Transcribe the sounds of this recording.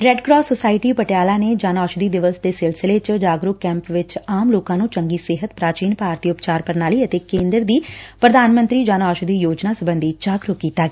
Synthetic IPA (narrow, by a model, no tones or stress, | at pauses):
ɾɛːɖkɾɔːsːosaːɪʈiːpəʈjaːlaːneːd͡ʒaːnaːʃd̪iːd̪ɪʋəsd̪eːsɪlsɪleːt͡ʃd͡ʒaːɡɾʊkkɛ̃ːmpʋɪt͡ʃaːmloːkãːnũːt͡ʃəŋɡiːsɪɦət̪pɾaːt͡ʃiːnpaːɾt̪iːʊpt͡ʃaːɾpəɾnaːliːət̪eːkẽːnd̪əɾd̪iːpɾəd̪ʱaːnmə̃nt̪ɾiːd͡ʒaːnaːʃd̪iːjoːd͡ʒnaːsʊbə̃nd̪ʱiːd͡ʒaːɡɾʊkkːiːt̪aː